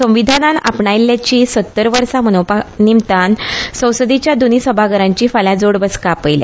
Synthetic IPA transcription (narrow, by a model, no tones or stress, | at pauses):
sə̃ʋid̪ʱanana̰pɳailːjat͡ɕiːsət̪ːəɾʋəɾsamənopanimt̪ansə̃w̃səd̪it͡ɕjad̪onisəbʱaɡəɾãɲt͡ɕiːfaljãd͡zoɽbəskapəjlja̰